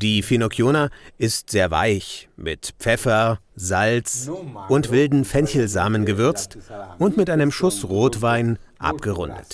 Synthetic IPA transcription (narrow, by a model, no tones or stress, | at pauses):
d̥iːfinokʰjoːnaʔɪstz̥eːɐva̰ɪçmɪtpp͡fɛfɐ | zalt͡sʔʊntv̥ɪldn̩fɛnçl̩za̰ːmənɡəvʏɐt͡stʔʊntmɪtʔaɪnəmʃʊsʁoːtv̥aɪnʔa̰pɡ̥əʁʊndə̰t